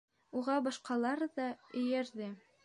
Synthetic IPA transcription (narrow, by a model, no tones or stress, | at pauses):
uʁɑbɑʃqɑlˠɑɾðɑɵ̆jæɾðɘ